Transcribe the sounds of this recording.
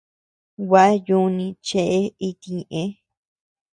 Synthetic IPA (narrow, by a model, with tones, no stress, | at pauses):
wa˦a˦ju˧˦nĩ˧t͡ʃe˧ʔe˦i˧t̪i˧ɲẽ˨ʔẽ˧˦